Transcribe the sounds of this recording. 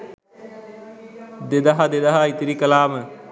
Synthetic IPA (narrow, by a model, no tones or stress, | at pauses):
d̪ed̪ɐɦad̪ed̪ɐɦait̪iɾikəlaːmə